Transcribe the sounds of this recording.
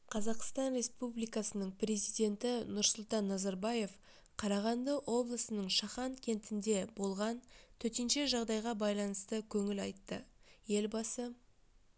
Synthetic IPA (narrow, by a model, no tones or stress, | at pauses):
qʰɑzɑqst̪ɑnɾʲe̞spublijkɑsənəɴprʲe̞zijd̪e̞nt̪ɪnʊɾsʊlˠt̪ɑnːɑzɑɾbɑje̞f | qʰɑɾɑʁɑnd̪əʔwʔo̞blˠəsənəɴʃɑχɑnkʲʰe̞nt̪ɪnd̪e̞bo̞lˠʁɑnt̪ʰɵt̪enʃe̞ʒɑʁd̪ɑjʁɑbɑjlˠɑnəst̪əkʲʰɵŋɪlɑjt̪ːəje̞lbɑsə